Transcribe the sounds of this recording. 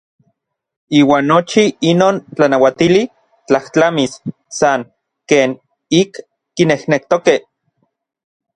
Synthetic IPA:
iːwaːnːot͡ʃiinoːnt͡ɬanawat̪ili | t͡ɬaht͡ɬamisː | aŋ | keːn | ikː | inehnek̚t̪okeh

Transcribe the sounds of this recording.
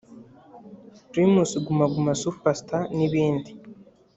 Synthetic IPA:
ɾimusiɡumaɡumasufastaniβiːndi

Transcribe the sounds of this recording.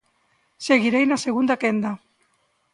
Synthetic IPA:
seɣiɾejnaseɣund̪akend̪a

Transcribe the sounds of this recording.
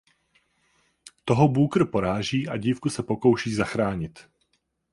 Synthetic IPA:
t̪o̞ɦobuːkɾ̩po̞ɾaːʒiːʔa̰ɟiːfkusɛpo̞ko̞wʃiːzaxɾaːɲɪt̪

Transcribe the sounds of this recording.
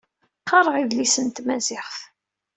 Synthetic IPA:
qːɑɾˤəʁiðlisənt̪mæzɪχθ

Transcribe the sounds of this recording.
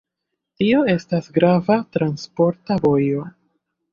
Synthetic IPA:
tio̞e̞stasɡɾavatɾanspo̞ɾtavo̞jo̞

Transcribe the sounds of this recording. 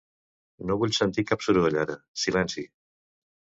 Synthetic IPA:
noβuʎsənt̪ikapsuɾβəʎaɾəsilɛnsi

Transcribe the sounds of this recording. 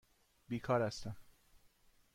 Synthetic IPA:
biːkʰɒːɾæst̪æm

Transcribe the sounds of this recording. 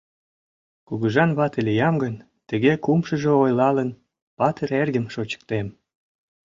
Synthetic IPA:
kuɣəʒɑnβɑt̪əlʲijɑmɡən | t̪ə̆ɣekumʃə̆ʒeojlɑlən | pɑt̪əɾerɣəmʃot͡ɕə̥k̚t̪em

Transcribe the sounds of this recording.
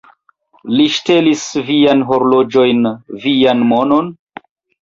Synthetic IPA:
liʃte̞lisvianɦoɾlod͡ʒo̞jnvianmo̞no̞n

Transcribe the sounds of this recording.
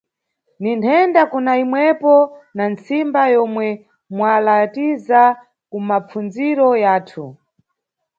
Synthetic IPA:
nintʰɛndakunaimwɛpɔnant͡simbajɔmwɛ | mwalatiza | kumap͡fund͡ziɾɔjaːtʰu

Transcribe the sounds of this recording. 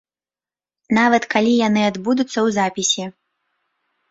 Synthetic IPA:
navɐt̪kalʲijanɨad̪bud̪ut̪sːɐwzapʲisʲi

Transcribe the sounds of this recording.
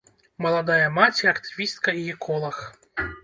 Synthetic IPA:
mɐlˠad̪ajɐmat͡sʲiɐkt̪ɨ̥vʲist̪̚kɐijɛkʰɔlˠɐx

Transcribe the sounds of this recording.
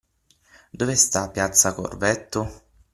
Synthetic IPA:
d̪ovest̪apːjat̪sːako̰rvɛt̪ːʊ

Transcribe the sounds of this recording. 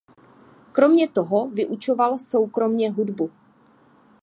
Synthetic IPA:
kɾo̞mɲɛt̪o̞ɦovɪʔut͡ʃo̞valso̞wkɾo̞mɲɛɦudbu

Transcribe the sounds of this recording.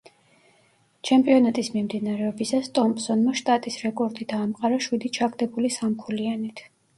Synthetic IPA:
t͡ʃʰɛmpʼiɔnat̪ʼismimd̪inaɾɛɔbisast̪ʼɔmpsɔnmaʃt̪ʼat̪ʼisɾɛkʼɔɾd̪id̪aːmqʼaɾaʃwid̪it͡ʃʰaɡd̪ɛbulisamkʰulianit̪ʰ

